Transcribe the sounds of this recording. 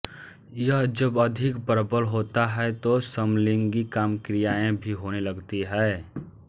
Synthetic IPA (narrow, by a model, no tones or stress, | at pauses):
jəɦd͡ʒəbɐd̪ʱɪkbəɾəbəlɦoːt̪aɦɛt̪osəmlɪ̃ŋɡikaːmkɾɪjaːẽbʱiɦoːnelɐɡt̪iɦɛː